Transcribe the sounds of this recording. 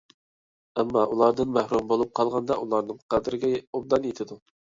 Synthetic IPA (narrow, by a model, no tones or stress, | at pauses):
ɛmːɑʔulˠɑɾd̪ɨnmæhɾumbolˠup̚qʰɑlˠʁɑnd̪ɑʔulˠɑɾnɨŋqɑd̪ɪɾɪɡʲɛob̚d̪ɑnjet̪ʰɪd̪u